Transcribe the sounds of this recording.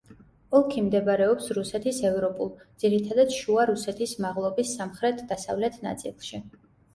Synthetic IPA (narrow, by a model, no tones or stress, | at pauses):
ɔlˠkʰimd̪ɛbɾɛɔpsɾusɛt̪ʰisɛvɾɔpʼulˠd̪z̥iɾit̪ʰad̪ad̪ʃuaɾusɛt̪ʰismaʁlˠɔbisːamχɾɛt̪ʰd̪asa̰vlɛt̪ʰna̰t̪sʼḭlˠʃi